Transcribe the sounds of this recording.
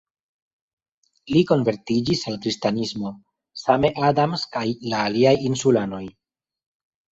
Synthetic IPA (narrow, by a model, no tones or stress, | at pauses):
liko̞nve̞ɾtid͡ʒisalkɾistanismo̞ | same̞ʔadamskajlaːliajinsulano̞j